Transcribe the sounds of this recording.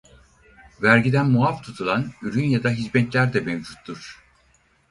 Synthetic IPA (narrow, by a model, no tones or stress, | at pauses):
væɾɟid̪ænmuaft̪ʰut̪ʰulˠanyɾynjad̪aɦizmɛt̪lʲæɾd̪ɛmevd͡ʒut̪ːuɾ̥